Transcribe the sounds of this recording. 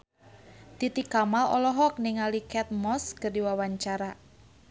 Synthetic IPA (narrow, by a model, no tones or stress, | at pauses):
t̪it̪ikamalɔ̰lɔɦɔk̚niŋalikɛt̪̚mɔskərdiwawaɲt͡ʃaɾa